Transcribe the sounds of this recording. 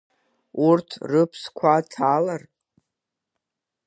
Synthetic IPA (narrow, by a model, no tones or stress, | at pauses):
urtʰrɨpʰskʷʰatʰaːlarʼ